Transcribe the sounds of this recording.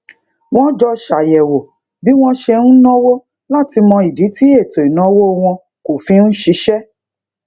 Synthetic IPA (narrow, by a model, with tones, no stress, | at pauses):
w̃ɔ̃˦d͡ʒɔ˧ʃa˨jɛ˨wo˨ | bi˨˦w̃ɔ̃˦ʃe˧ñ̩˦nɔ̃˦wo˦ | la˦˨ti˧mɔ̃˧i˨di˨˦ti˦e˦˨to˨i˨nɔ̃˨˦wo˦˧w̃ɔ̃˧ | ko˨fĩ˨˦n̩˦ʃi˧˦ʃɛ˦